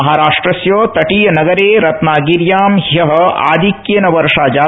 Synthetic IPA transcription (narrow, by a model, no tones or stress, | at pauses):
ɐɦaːɾaːʂʈɾɐsjoːt̪ɐʈijɐnɐɡɐɾeːɾɐt̪naːɡiɾjaːmɦjɐɦɐ̆a̰ːd̪ʱikjɐnɐʋɐɾʂaːd͡ʒaː